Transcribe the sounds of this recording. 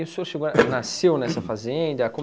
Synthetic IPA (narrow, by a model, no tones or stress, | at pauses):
ũsoɾʃeɡonasewnɛsɐfazẽnd̪ɐkõ